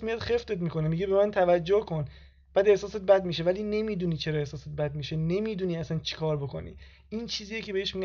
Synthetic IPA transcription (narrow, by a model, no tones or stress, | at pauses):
mijɒd̪xeft̪e̞t̪miːko̞nemiɡebe̞mænt̪ʰævæd͡ʒːohkʰo̞n | b̥æːd̪e̞hsɒːset̪̚bæd̪̚miːʃe̞væliːne̞miːd̪uːniːt͡ʃʰeɾɒe̞hsɒːset̪̚bæd̪̚miʃene̞miːd̪uːniæsænt͡ʃʰi̥kʰɒːɾboko̰nḭː | iːnt͡ʃʰiːzijecʰe̞beheʃmiɡ